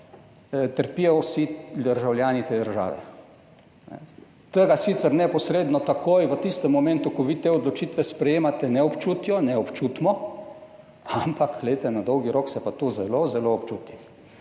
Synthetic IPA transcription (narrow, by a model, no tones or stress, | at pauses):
t̪əɾpijɔwsid̪əɾʒawljaːnit̪eːd̪əɾʒa̰ːʋɛ̰ | nɛ̰ | t̪əɡasit̪sɛɾnɛpɔsɾeːd̪nɔt̪akojʋət̪ist̪ɛmːɔmɛnt̪ukɔʋit̪eɔd̪lɔt͡ʃit̪ʋɛspɾɛjeːmat̪ɛnɛɔpt͡ʃuːt̪jɔnɛɔpt͡ʃuːt̪mɔ | ampakɡlɛet̪ɛnad̪ɔwɡiɾoːksɛpat̪uzɛlozɛloːpt͡ʃuːt̪nix